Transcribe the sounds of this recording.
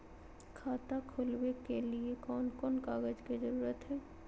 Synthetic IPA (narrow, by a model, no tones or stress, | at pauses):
kʰaːt̪akʰʊlwekeliekɔːnkɔːnkaːɡəd͡ʒkid͡ʒəɾuːɾət̪ɦɛː